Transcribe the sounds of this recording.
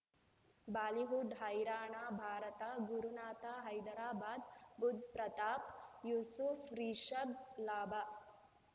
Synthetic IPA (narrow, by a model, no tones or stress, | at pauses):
baːliɦuɖɦɐjɾaːɳaːbʱaːɾɐt̪aɡuɾunaːt̪aɦɐjd̪ɐɾaːbaːd̪bud̪̚ʱpɾɐt̪aːpjuːsufʰɾiːʃɐblaːba